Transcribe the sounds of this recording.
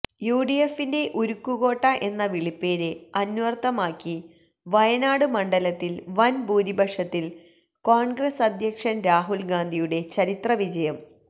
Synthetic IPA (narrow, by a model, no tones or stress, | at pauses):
juːɖijefːinde̞ʔuɾukːuɣo̞ːʈːɐʔe̞nːɐʋiɭipːeːɾeɐnuʋɐrt̪ːɐmaːkːi | ʋɐjɐnaːɽɨmɐɳɖɐlɐt̪ːilʋɐnbuːɾibɐʂɐt̪ːil | koːɳɡrɐsɐd̪ʱjɐkʂɐnɾaːɦulɡaːnd̪ʱijuɽe̞t͡ɕɐɾit̪rɐʋid͡ʑɐjɐm